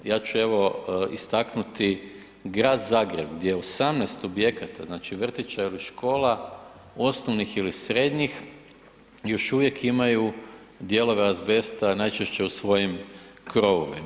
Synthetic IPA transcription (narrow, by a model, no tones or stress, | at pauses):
jaːt͡ʃue̞ʋo̞ist̪aknut̪i | ɡɾaːd̪zaːɡɾe̞bɡd̪ʲjejeosamneːst̪obje̞kat̪a̰znaːt͡ʃiʋr̩t̪it͡ʃailiʃko̞ːla | o̞snoʋnixilisɾe̞d̪ɲix | jo̞ʃuʋjekʰimaju | d̪je̞lo̞ʋeɾazbe̞st̪anajt͡ʃeʃt͡ɕe̞usʋo̞jim | kɾo̞ʋo̰ʋima